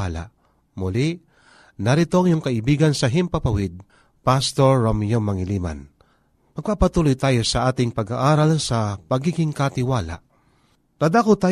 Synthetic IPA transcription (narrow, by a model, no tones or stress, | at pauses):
ala̰ʔ | mʊliʔ | nɐɾɪt̪o̞ŋjʊŋkɐʔɪbiːɡɐnsɐɦɪmpɐpɐwɪd̪̚ | past̪oɹːomjoŋmɐŋɪliːma̰n | mɐɡ̚papɐt̪uːlojt̪aːjo̞sɐʔaːt̪ɪŋpɐɡaʔaːɾalsɐpɐɡiːɡɪŋkat̪ɪwaːla̰ʔ | ɾad̪akʊt̪aː